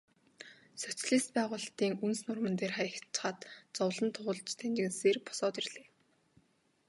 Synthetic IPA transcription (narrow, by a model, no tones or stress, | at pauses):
sœt͡sɮiːst̪̚pæːʁʊːɮt̪iːŋunsnʊrmə̆nt̪eːrχajə̆kt͡ɕχaːt̪t͡sɔwɮə̆nt̪ʰʊʁʊ̆ɮt͡ɕt̪ʰænt͡ɕɪ̆ɣɘ̆nseːrpɔ̥sɔːt̪irɮeː